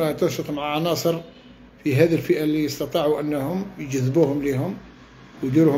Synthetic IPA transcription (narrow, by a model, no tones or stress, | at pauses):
æt̪ənʃət̪ˤmaʕʕɑnɑsˤəɾ | fiɦæd̪ilfəʔælːijəst̪ɑt̪ˤiʕuʔənːhʊmjd͡ʒəðːbuhʊmlihʊm | wjd̪iɾuh